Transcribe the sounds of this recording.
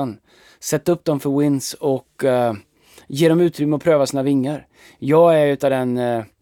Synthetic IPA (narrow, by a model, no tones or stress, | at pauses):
n | sɛt̪ːɵp̚ːd̪ɔmfœɾwɪnsɔk | jeːɖɔmʉ̟ːt̪ɾʏmːəɔpʰɾøːvasiːnavɪŋːəɾ | jɑːɡæɾʉ̟ːt̪avd̪ɛn